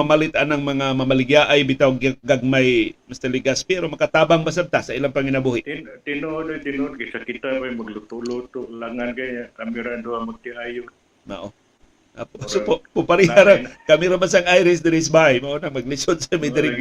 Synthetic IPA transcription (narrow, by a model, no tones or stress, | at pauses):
amalɪt̪anaŋmɐŋamɐmalɪɡjaʔajbɪt̪awɡaɡaɡ̚majmast̪alɪɡaspɛɾomɐkat̪aːbaŋbas̬ab̚t̪asailaŋpaŋɪnabuhɪʔt̪nt̪ɪnod̪ojt̪ɪnʊod̪̚kasakɪt̪apajmaɡlʊt̪ʊʔlut̪ʊʔlaŋankaɲakamiɾand̪uamaɡ̚t̪iajʊ | ma̰ʔo | ʔa̰posopopʊpaɾiaɾaŋkamɪɾabas̬aŋajɾɪs̬d̪ɪɾɪsbajmaʔonaŋmɐɡlɪsod̪samajd̪ɪɾɪ